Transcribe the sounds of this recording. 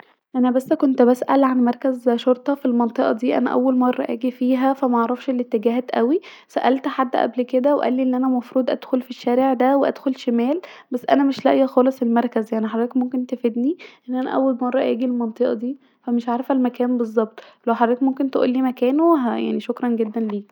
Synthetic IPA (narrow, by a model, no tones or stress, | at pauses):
ʔænæbæsːkont̪bæsʔælʕanmɑɾˤkæzʃoɾt̪ˤɑfilmɑnt̪ˤeʔɑ̰d̪iːʔæ̰næ̰ʔæ̰wːælmɑrˤːɑ̰ʔæ̰ːɡifiːɦæfæmæʔɑʕɾˤɑfʃʔelːit̪ːeɡæːɦæːt̪ʔæwi | sæʔælt̪ħad̪ːʔæ̰blked̪æweʔæ̰lːiʔenːʔænæmɑfɾuːd̪ʔæ̰d̪̥xolfiʃːæːɾeʕd̪æweʔæ̰d̪̥xolʃemæːlbæsːʔæ̰næmeʃlæʔjæxɑːlesˤelmɑɾˤkæzjaʕniħad̪ˤiːkmomkent̪efed̪niʔenːʔænæʔæwːælmɑrˤːɑʔæ̰ːɡilmɑnt̪ˤeʔɑd̪iː | fæmeʃʕaːɾefælmækæːnbezˤːɑb̚t̪ˤlæwħad̪ˤɾiːkmomkent̪eʔṵːlːiːmækæːnoɦæja̰ʕniʃokɾˤɑnɡed̪ːænliː